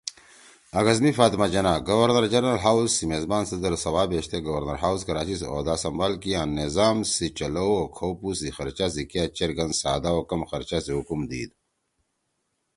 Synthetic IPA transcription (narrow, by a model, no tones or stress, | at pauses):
ɐɡɐzmifaːt̪mad͡ʑɐnaɡɐwɐɾnɐɾd͡ʑɐɾnɐlɦawzsimeːzbaːnsɐd̪ɐɾsɐwaːbeːɕt̪eɡɐwɐɾnɐɾɦaːwskɐɾaːt͡ɕiso̰ːd̪aːsɐmbaːlkiaːnːizaːmsit͡ɕɐlowokʰowpusixɐɾt͡ɕas̬ikijat͡ɕeɾɡɐnsa̰ːd̪aokɐmxɐɾt͡ɕasiɦukumd̪ḭːd̪̚